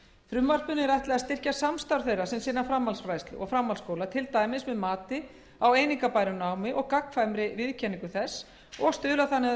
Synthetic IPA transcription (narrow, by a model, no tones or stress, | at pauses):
fɾʏmvar̥pʏnɪɛɾajht̪lɛɣast̪ɪr̥casamst̪awɾ̥θejrasɛmsɪnːafɾamːalsfɾajst̪lɪ̰ʔɔ̰ɣfɾamːalskoːwlat̪ʰɪlt̪aːjmɪsmɛðmaːt̪ɪ | aweːjniŋkapajɾʏnaːwmɪʔɔɣkakfajmɾɪvɪðcʰɛniŋkʏθɛsː | ɔɣst̪ʏːlaθanːɪ